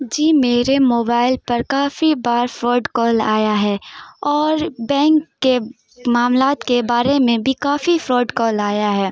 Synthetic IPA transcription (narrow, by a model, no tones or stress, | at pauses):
d͡ʒiːmeːɾemoːbaːɪlpɐɾkaːfibaːɾfɾoːɖkɔːlaːjaɦɛːɔːɾbɛ̃ːŋkːe | maːmlaːt̪kebaːɾemẽbʱikaːfifɾɔːɖkɔːlaːjaɦɛː